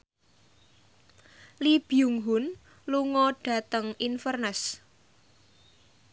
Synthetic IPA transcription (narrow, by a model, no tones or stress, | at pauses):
lib̥iuŋɦʊn | luŋɔɖ̥a̤t̪əŋinfərnəs